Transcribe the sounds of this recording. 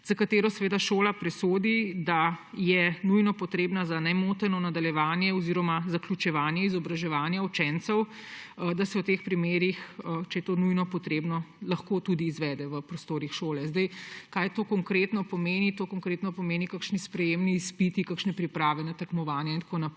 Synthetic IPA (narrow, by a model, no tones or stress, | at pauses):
z̥akat̪eːɾɔsɛʋeːd̪aʃoːlapɾɛsoːd̪id̪ajɛnujnɔpɔt̪ɾeːbnazanɛmot̪ɛnɔnad̪aljɛʋaːnjɛɔziɾɔmazaklʲut͡ʃɛʋaːnjɛizɔbɾaʒɛʋaːnjaut͡ʃɛnt̪sɛwd̪asɛwt̪eːxpɾimeːɾixət͡ʃɛjɛt̪onujnɔpɔt̪ɾeːbnɔlɐxkot̪ud̪iːzʋɛd̪ɛʋəpɾɔst̪oːɾixʃoːlɛzd̪əjkajt̪oːkɔŋkɾet̪nɔpɔmeːnit̪oːkɔŋkɾeːt̪nɔpɔmeːnikakʃnispɾɛjeːmniːspit̪ikakʃnɛpɾipɾaːʋɛnɛt̪ɐkmɔʋaːnjaint̪konap